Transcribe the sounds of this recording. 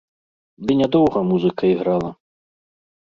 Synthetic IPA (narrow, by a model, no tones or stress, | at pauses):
d̪ɨnʲad̪ɔwɣɐmuzɨkɐiɣɾalˠɐ